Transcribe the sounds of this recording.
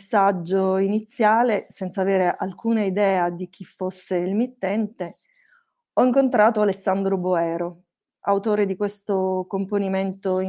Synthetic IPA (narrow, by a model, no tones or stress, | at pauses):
sːad͡ʒːoinit̪sːjaːlesɛnt̪saveːɾeʔalkuːnaid̪ɛːad̪ik̟ʰifːosːeilmit̪ːɛnt̪e | ɔiŋkont̪ɾaːt̪oalesːand̪ɾoboɛːɾo | a̰wt̪oːɾed̪ikwest̪okomponiment̪o